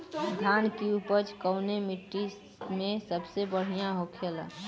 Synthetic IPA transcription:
d̪ʱankiupət͡ʃkəʊnemiʈːis | mẽsəbsebəɽ̤ijãɦokʰelə̰

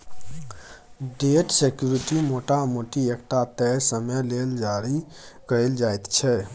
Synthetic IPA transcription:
ɖeʈsekjuɾiʈimoʈamoʈiekʈat̪ɛsəməleld͡ʒaɾikəɾəld͡ʒajt̪t͡ʃʰɛ

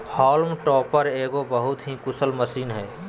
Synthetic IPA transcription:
pʰɔːlmʈɔːpəɾeːɡobɐɦʊt̪ɦikʊsəlmɐsiːnɦɛː

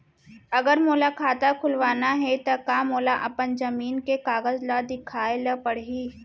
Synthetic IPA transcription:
ɐɡəɾmoːlakʰaːt̪akʰʊlʋaːnaɦɛt̪ɐkaːmoːlaʔɐpənd͡ʒɐmiːnkekaːɡəzlad̪ɪkʰaːelɐpɐɽɦiː

